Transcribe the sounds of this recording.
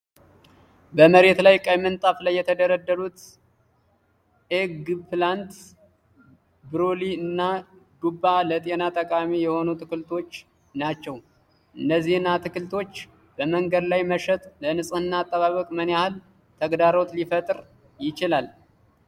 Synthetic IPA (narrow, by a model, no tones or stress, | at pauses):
bəməɾe̞t̪lajkʼəjmɨnt̪ʼaflajːɛt̪ʰəd̪əɾəd̪ːəɾut̪ | eɡpʰlant̪ | bɨɾoliɨnːaɡubːalət̪ʼe̞nat̪ʼəkʼamijɛho̞nut̪ʰɨkɨlt̪ʰo̞t͡ʃː | nat͡ʃːɛw | ʔɨnːəzːihɨnːat̪ʰɨkɨlt̪ʰo̞t͡ʃː | bəməŋɡəd̪lajməʃət̪lənɨsʼɨnːaːt̪ʼːəβaβəkʼməneahɨl | t̪ʰəɡd̪aɾo̞t̪lifət̪ʼɾ | jɪt͡ʃɪlal